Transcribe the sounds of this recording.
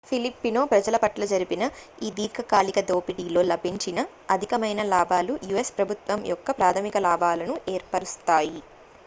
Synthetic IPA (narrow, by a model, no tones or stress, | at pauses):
pʰilipːino̞ːpɾɐd͡ʒɐlɐpɐʈlɐd͡ʒɐɾipinɐ | iːd̪iːkʰɐkaːlikɐd̪o̞ːpiʈiːlo̞ːlɐbʱiɲt͡ʃinɐ | ɐd̪ʱikɐmɐjnɐlaːbʱaːlujuespɾɐbʱut̪ʋɐmjɔkːɐpɾaːt̪ʰɐmikɐlaːbaːlɐnuʔeːɾpɐɾust̪aːji